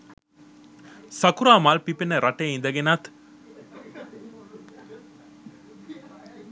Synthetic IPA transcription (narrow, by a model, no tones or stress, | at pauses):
sɐkuɾaːmalpipenəɾaʈeːind̪ɐɡenat̪